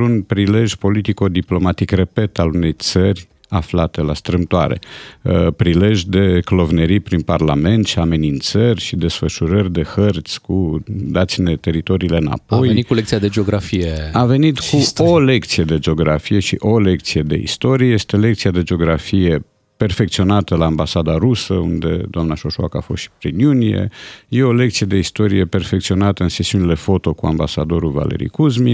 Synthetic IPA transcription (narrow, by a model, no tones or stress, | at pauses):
unpɾile̞ʒjpo̞lit̪iko̞d̪iplo̞mat̪ikre̞pe̞t̪alune̞jt̪sərʲ | aflat̪e̞la̰st̪ɾɨmt̪oa̰ɾe̞̰ | pɾile̞ʒʲd̪e̞klo̞vneɾipɾinparlame̞nt̪ʃiame̞nint̪sərʲʃid̪e̞sfəʃuɾərʲd̪e̞xərt̪sʲkud̪at̪sine̞t̪e̞ɾit̪o̞ɾiːle̞ɨna̰po̞jnit̪kulek̚t̪siad̪ed͡ʒeoɡɾafijeave̞nit̪kuole̞kt̪sije̞d̪e̞d͡ʒeo̞ɡɾafije̞ʃḭʔo̞le̞k̚t̪sije̞d̪e̞̰ḭst̪o̞ɾijeje̞st̪e̞le̞k̚t̪siad̪e̞d͡ʒeoɡɾafije̞ | pe̞rfekt̪sio̞nat̪əlaːmbasad̪aɾusəund̪e̞̰d̪oamnaʃoʃoa̰ka̰fo̞st̪ʃi̥pɾinjunijḛje̞o̞le̞kt̪sije̞d̪eist̪o̞ɾije̞pe̞rfekt̪sio̞nat̪əɨnsesiunile̞fo̞t̪o̞kua̰mbasad̪o̞ɾulva̰lḛɾḭkuzmi